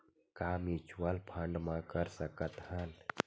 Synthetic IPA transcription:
kamit͡ʃwəlpʰə̃ɳɖmãkəɾsəkət̪ɦhən

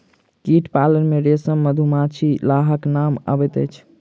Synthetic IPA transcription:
kiʈpalənmeɾesəmːəd̪ʱumat͡ʃʰilaɦəknamə̰bɛt̪əjt͡ʃʰ

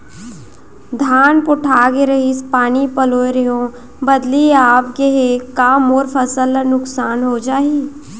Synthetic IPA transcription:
d̪ʱaːnpʊʈʰaːɡeɾɐɦispaːnipɐloːeɾejõ | bɐd̪liaːpɡeɦekaːmoːɾfʰəsəlːnʊksaːnɦod͡ʒaːi

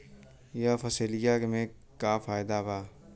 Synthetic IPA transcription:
jafɐselɪjakemẽː | kaːfaːjd̪abaː

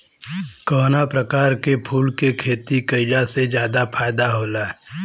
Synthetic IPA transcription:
kɔːnapɾəkaːɾkepʰuːlkekʰeːt̪ikəɪd͡ʒased͡ʒjaːd̪apʰaːɪd̪aɦoːlaɛ

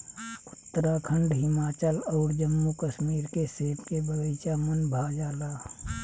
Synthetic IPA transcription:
ʊt̪ːəɾakʰə̃ɳɖɦɪmaːt͡ʃəlɔːɾd͡ʒəmːukəʃmiːɾkeseːpkebəɡəɪt͡ʃamənbʱaːd͡ʒaːlaː

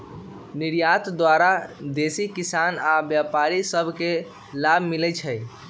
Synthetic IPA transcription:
niɾjat̪d̪waɾad̪esikisanabjapaɾisəbʱke | labʱmilɛt͡ʃʰɛj

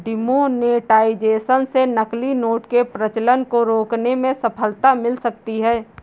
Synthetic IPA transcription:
ɖɪmoneːʈaːɪd͡ʒeːsənsenəklinoːʈkepɾət͡ʃlənkoɾoːknemẽsəpʰəlt̪amɪlsək̚t̪iɦɛː

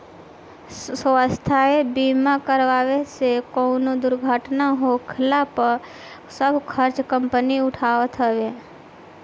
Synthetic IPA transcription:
səst̪ʰaebiːmakəɾʋaːʋesekoːnod̪ʊɾɡʱaːʈnaɦokʰɪlapəɾ | səbkʰəɾt͡ʃkə̃mpəniʊʈʰaːʋət̪ɦəʋe

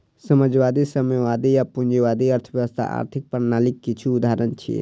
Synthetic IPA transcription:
səməd͡ʒʋad̪isəmeʋad̪ijapund͡ʒeʋad̪iəɾt̪ʰəbjəʋəst̪ʰa̰ʔa̰ɾt̪ʰik̚pəɾnalikːit͡ʃʰuud̪aɾənt͡ʃʰḭ

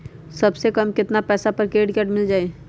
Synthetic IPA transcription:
sɐbsekɐmkɪt̪napɛːsapəɾkeːɖkɛːʈmɪld͡ʒaːe

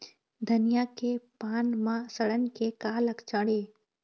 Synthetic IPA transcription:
d̪ʱənɪjakepaːnmãsəɽənkekaːləkt͡ʃəɽeː

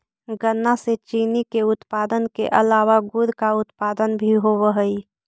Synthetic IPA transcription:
ɡənːaset͡ʃiːnikeʊt̪paːd̪ənkḛʔəlaːʋaɡʊɾkaʊt̪paːd̪ənbʱiɦoʋəɦəi

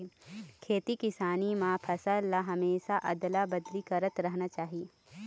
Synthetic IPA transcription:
kʰeːt̪ikɪsaːnimãpʰɐsəlːaɦɐmeːʃaʔɐ̰d̪labɐd̪likɐɾət̪ɾɐɦnat͡ʃaːɦieː

